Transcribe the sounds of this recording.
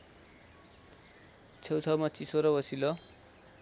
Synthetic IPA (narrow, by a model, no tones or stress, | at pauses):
t͡sʰʌwt͡sʰʌmʌt͡sisoɾʌbʌsilo